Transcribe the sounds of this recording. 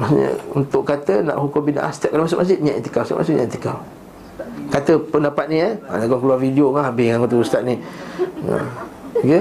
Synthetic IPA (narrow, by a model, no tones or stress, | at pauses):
masɲə̰ṵnt̪ʊʔkat̪ənã̰ʔhukobina̰ʔa̰st̪ɛʔ̚kːalamas̬ot̪̚masd͡ʒɪt̪̚ɲãʔit̪i̥kawst̪ɛ̰ʔmasit̪ɲã̰ʔit̪i̥kaw | kat̪əpəndapat̪̚niəa̰naɡaŋkluwarfidiokahabɪŋaŋot̪̬uust̪at̪̚ni | ə̰ɡə